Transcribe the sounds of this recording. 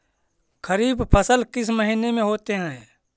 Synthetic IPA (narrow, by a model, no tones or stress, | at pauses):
kʰəɾiːbpʰəsəlkɪsməɦinemẽɦoːt̪eɦɛ̃ː